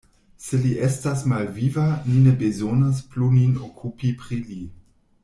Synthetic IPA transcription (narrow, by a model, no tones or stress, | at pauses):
seliʔestasmalvivaninebezonospluninokʰupipɾili